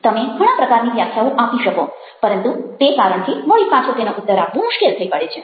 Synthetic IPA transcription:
t̪əmeɡʱəɽ̃ãpɾəkaɾniʋjakʰaũʔapiʃəko | pəɾənt̪ut̪ekaɾəɳt̪ʰimoɭipãt͡ʃʰot̪enoʔʊt̪ːəɾapːũmʊʃkelt̪ʰəipəɽet͡ʃʰe

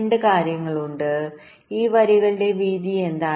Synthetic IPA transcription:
ɳɖɨkaːɾjɐŋːɐɭuɳɖɨ | iːʋɐɾiɣɐɭiɽe̞ʋiːd̪ie̞nd̪aː

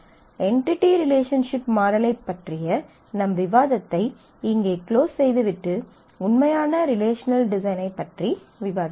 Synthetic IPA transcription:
ɛɳʈɪʈːiɾɪleːʂɐnʂɪpmaːɾɐlɐɪpːɐʈrɪjɐ | nɐmʋɪʋaːðɐt̪ːɐɪ | ɪŋɡeːkloːsːɛjðɯʋɪʈːɯ | ʊnmɐjaːnɐɾɪleːʂɐnɐlɖɪsɐɪnɐɪpːɐʈri | ʋɪʋaːðɐ

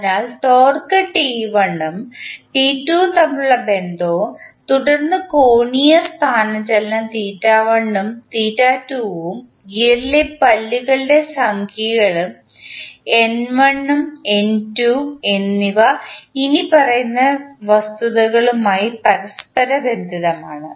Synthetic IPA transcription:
naːlʈoːrkɐʈiːʋɐɳːumʈiːtːuːt̪ɐmːɭuɭːɐbe̞nd̪oːt̪uɽɐrnːɨkoːɳijɐst̪ʰaːnɐt͡ɕɐlːɐt̪iːtːaːʋɐɳːumt̪iːtːaːtːuːʋum | ɡiɾlepɐlːuɣɐɭɨɖe̞sɐŋkʰiɣɐɭum | e̞nʋɐɳːumentuenːiʋɐinipɐrɐjunːɐʋɐst̪uðɐɣɐɭumaːjipɐɾɐspɐɾɐbe̞nd̪ʱiðɐmaːɳɨ

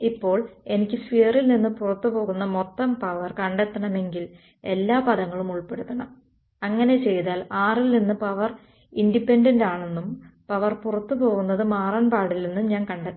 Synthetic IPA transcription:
ipːo̞ːɭe̞nikʲːɨsʋijɐrilninːɨpurɐt̪ːupo̞ːɣunːɐmot̪ːɐmpɐʋɐrkɐɳɖet̪ːɐɳɐme̞ŋɡil | e̞lːaːpɐðɐŋːɐɭumuɭpe̞ɽut̪ːɐɳɐm | ɐŋːɐne̞t͡ɕe̞jðaːlaːrilninːɨpɐʋɐr | indipːendɐndaːɳe̞nːumpɐʋɐrpurɐt̪ːupo̞ːɣunːɐðɨmaːraːnpaːɽilninːumɲaːnkɐɳɖe

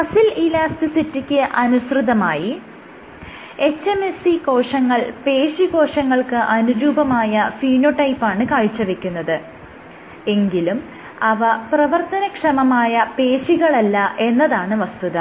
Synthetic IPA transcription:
ɐsililaːstisitːikʲːɨʔɐnuɕrɨðɐmaːji | e̞t͡ɕːemesiko̞ːʂɐŋːɐɭpe̞ːɕiko̞ːʂɐŋːɐɭkɨʔɐnuɾuːbɐmaːjɐfiːnoʈɐjpːaːɳɨkaːɻit͡ɕːɐʋekʲːunːɐðɨ | e̞ŋɡilum | ɐʋɐprɐʋɐrt̪ɐnɐkʂɐmɐmaːjɐpe̞ːɕiɣɐɭɐlːɐʔe̞nːɐðaːɳɨʋɐst̪uðɐ

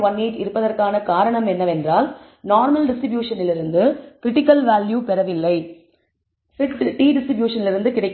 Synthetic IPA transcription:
ʋɐnːeːʈɪɾɯpːɐðɐrkaːnɐkaːɾɐɳɐmɛnːɐʋɛndraːl | naːɾmɐlɖɪsʈɾɪbjuːʂɐnɪlɪɾɯnd̪ɯkɾɪʈːɪkːɐlʋaːljuːpɛɾɐʋɪlːɐɪ | sɪʈʈiːɖɪsʈɾɪbjuːʂɐnɪlɪɾɯnd̪ɯkɪɽɐɪkː

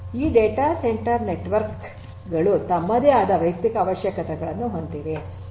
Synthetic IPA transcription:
iːɖeːʈaːseɳʈɐɾneʈʋɐɾk | ɡɐɭut̪ɐmːɐd̪eaːd̪ɐʋɐjk̚t̪ikɐːʋɐʃjɐkɐt̪ɛɡɐɭɐnːuɦond̪iʋe

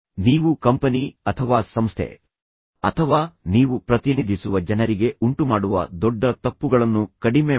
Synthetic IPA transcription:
niːʋukɐmpɐniɐt̪ʰɐʋaːsɐmst̪ʰḛ | ɐ̰t̪ʰɐʋaːniːʋupɾɐt̪inid̪ʱisuʋɐd͡ʒɐnɐɾiɡe̞uɳʈumaːɽuʋɐ̰d̪ɔɖːɐt̪ɐpːuɡɐɭɐnːukɐɽime

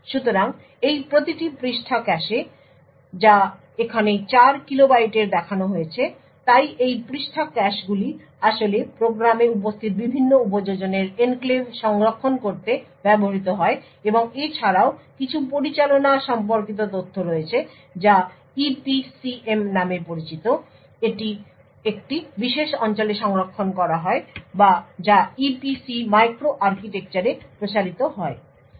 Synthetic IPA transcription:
ʃut̪oɾaŋ | ejpɾot̪iʈipɾiʃʈʰakɛʃe | d͡ʑa | ekʰanet͡ɕaɾkilobajʈeɾd̪ɛkʰanoɦojet͡ɕʰe | t̪ajejpɾiʃʈʰakɛʃɡuli | aʃolepɾoɡɾameup̬ost̪ʰiɾbibʱinːoup̬od͡ʑod͡ʑoneɾenklebʃɔŋɾokʰːonkoɾt̪ebɛboɦit̪oɦɔe | eboŋet͡ɕʰaɾaokit͡ɕʰupoɾit͡ɕalonaʃɔmp̬oɾkit̪̬ot̪̬ot̪ʰːoɾoet͡ɕʰe | d͡ʑa | ipisiemnamepoɾit͡ɕit̪o | eʈi | ek̚ʈibiʃeʃɔnt͡ɕoleʃɔŋɾokʰːonkɔɾaɦɔebad͡ʑaipisimajkɾoʔaɾkiʈek̚t͡ɕaɾepɾot͡ɕaɾit̪oɦɔe

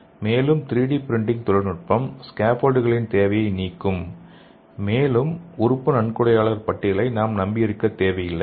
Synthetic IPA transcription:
meːlɯmt̪ɪɾiːɽiːpɪɾɪɳɖɪŋt̪ʊɻɐɾnɯʈ̚pɐmskaːpoːlɖɯɣɐɭɪnt̪eːʋɐjɐɪniːkːɯm | meːlɯmʊɾʊpːɯnɐɳkɯɽɐjaːɭɐɾpɐʈːɪɐlɐɪnaːmnɐmbɪjɪɾɯkːɐt̪ːeːʋɐjɪlːɐɪ

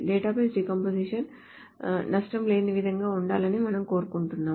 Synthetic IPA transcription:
ɖeːʈaːp̬ɐːsɾikɐmpoːsiʂɐn | nɐʂʈɐmleːnɯʋɪðɐŋɡɐːʊɳɖaːlɐnɯmɐnɐmkoːɾkːuɳʈːɯnːãː

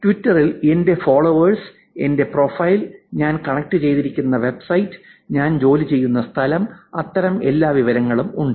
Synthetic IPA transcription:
tʋitːɐrilende̞foːɭoːʋɐrs | e̞nde̞pro̞ːfɐjlɲaːnkɐɳɐk̚ʈɨt͡ɕe̞jt̪iɾikʲːunːɐʋe̞bsɐjtːɨ̥ | ɲaːnd͡ʑo̞ːlit͡ɕe̞jːunːɐst̪ʰɐlɐmɐt̪ːɐɾɐme̞lːaːʋiʋɐɾɐŋːɐɭumuɳɖɨ

